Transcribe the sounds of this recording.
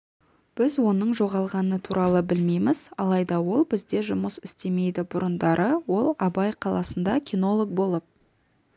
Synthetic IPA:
b̥ɪzwo̞nəɴʒo̞ʁɑlˠʁɑnət̪ʰuɾʔɑlˠəbɪlme̞jmɪz̥ɑlˠɑjd̪ɑwo̞lˠbɪzd̪e̞ʒʊməsɪst̪e̞me̞jd̪ɪbʊɾənd̪ɑɾʔəwo̞lˠɑbɑjqʰɑlˠɑsənd̪ɑkʲʰino̞lˠo̞k̚bo̞lˠəp̚

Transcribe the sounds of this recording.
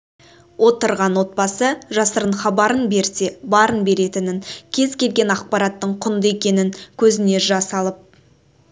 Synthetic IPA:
wʔo̞t̪əɾʁɑnwo̞t̪̚bɑsəʒɑsəɾəɴχɑbɑɾənbe̞ɾse̞bɑɾənbe̞ɾe̞t̪ɪnɪŋkʲʰe̞zkʲʰe̞lɡʲe̞nɑq̚pɑɾɑt̪ːəɴqʰʊnd̪əe̞kʲe̞nɪŋkʲʰɵzɪne̞ʒɑsɑlˠəp̚

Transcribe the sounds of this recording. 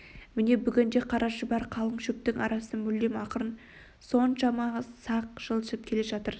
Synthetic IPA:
mɪne̞bʏɡʲɪnd̪e̞qʰɑɾʔɑʃəbɑɾqʰɑlˠəɴʃʏk̚t̪ɪŋʔɑ̰ɾɑsəmʏld̪emɑqəɾən | so̞nʃɑmɑʁəzsɑq̚ʒ̥əlˠʃəp̚kʲʰe̞le̞ʒɑt̪əɾ

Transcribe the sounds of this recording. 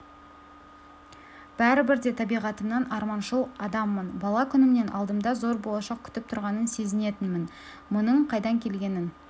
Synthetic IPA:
b̥æɾɪbɪɾd̪e̞t̪ʰɑbijʁɑt̪əmnɑnɑɾmɑnʃəlˠɑd̪ɑmːənbɑlˠɑkʲʰʏnɪmne̞nʔɑ̰lˠd̪əmd̪ɑzo̞ɾbo̞lˠɑʃɑq̚kʲʰʏ̥t̪ɪp̚t̪ʰʊɾʁɑnənse̞zɪne̞t̪ɪnmɪn | mʊnəɴqʰɑjd̪ɑŋkʲʰe̞lɡʲe̞nɪn

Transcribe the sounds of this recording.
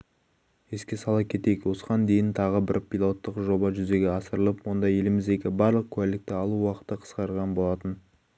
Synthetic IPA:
eskʲe̞sɑlˠɑp̚kʲʰe̞t̪ekwo̞səʁɑnd̪e̞jɪnt̪ʰɑʁəbɪɾpʰʲilˠo̞t̪ːəqʒo̞bɑʒʏze̞ɡʲeɑsəɾəlˠəpwo̞nd̪ɑje̞lɪmɪzd̪e̞kʲɪbɑɾlˠəq̚kʲʰʉælɪk̚t̪ɪɑlˠuwɑqə̥t̪ːəqʰə̥sqɑɾʁɑnbo̞lˠɑt̪ən

